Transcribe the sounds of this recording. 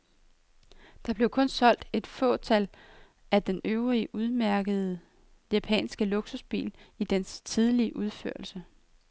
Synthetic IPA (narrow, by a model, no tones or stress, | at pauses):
d̥ɑ̈b̥le̝ʊkʰɔ̽nsɒ̽l̰d̥e̝d̥fɔ̰̽ːt͡sʰæl | ʔæd̥enøʊʁiʔuð̞ˠmæɐɡ̥əð̞̩ˠ | jæpʰɛ̰ːnsɡ̥əloɡ̥susb̥ḭːlid̥enst͡sʰið̞ˠliəʔuð̞ˠfø̰ɐ̰lsə